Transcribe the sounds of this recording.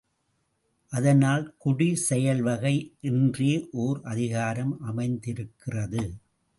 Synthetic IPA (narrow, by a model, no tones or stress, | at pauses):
ʔɐðɐnaːlkʊɽisɛjɐlʋɐɣɐɪʔɪndreːʔoːɾʔɐðɪɣaːɾɐmʔɐmɐɪnd̪ɪɾɯkːɪrɐðɯ